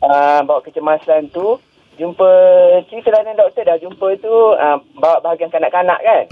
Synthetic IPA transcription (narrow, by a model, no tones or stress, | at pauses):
əmbawaʔkət͡ʃəmasant̪u | d͡ʒumpət͡ʃiit̪əlanandɔk̚t̪ədahd͡ʒumpət̪uəbawaʔbaɦaɡiankanaʔkana̰ʔkan